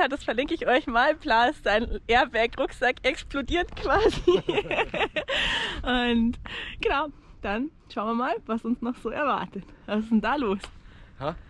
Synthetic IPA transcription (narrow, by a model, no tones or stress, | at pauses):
aːdasfɛɐlɪŋkəɪçʔɔʏçmaːlplaːɪstz̥aɪnʔeːɐbɛɐkʁʊkz̥akʔɛksplodiːɐtkv̥aːzi | ʔʊntɡ̥ənaʊd̥an | ʃaʊnviɐmaːlvasʊnsnɔχz̥oːʔɛɐva̰ɐtətvasɪsd̥ɛndaːloːsha